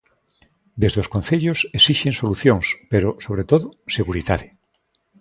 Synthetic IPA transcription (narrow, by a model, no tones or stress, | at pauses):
d̪ezðeoskõnθeʎosesiʃensoluθjõŋspeɾosoβ̞ɾet̪oðoseɣuɾiðaðe